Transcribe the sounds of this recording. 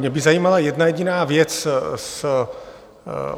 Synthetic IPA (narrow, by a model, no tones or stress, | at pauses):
ɲɛbɪzajiːmalajɛdnajɛɟɪnaːvjɛt͡ss